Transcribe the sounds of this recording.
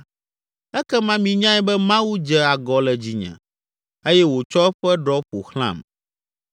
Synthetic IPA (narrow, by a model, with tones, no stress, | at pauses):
ɛ˦kɛ˦mã˦mĩ˨ɲã˦ɛ˦bɛ˦mã˦wu˦d͡ʒɛ˦a˨ɡɔ˨lɛ˨d͡ʑi˨ɲɛ̰̃˨ | e˦jɛ˦wo˨t͡ʃɔ˦ɛ˦ɸɛ˦ɖɔ˦ɸo̰˨xl̃ã̰˦˨m